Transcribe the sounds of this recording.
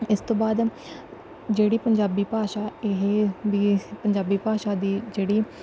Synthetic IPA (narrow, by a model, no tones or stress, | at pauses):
ɪst̪õːbaːd̪ | d͡ʒeːɽiːpəɲd͡ʒaːbiːpaːʃaːɪɦeʋiːpəɲd͡ʒaːbiːpaːʃaːd̪iːd͡ʒeːɽiː